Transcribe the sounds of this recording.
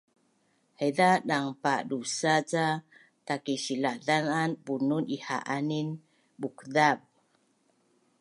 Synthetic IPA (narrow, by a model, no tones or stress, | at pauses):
heðaɗaŋpaɗusat͡sa | takiʃiladananbununiha̰ʔanin | bukðab̚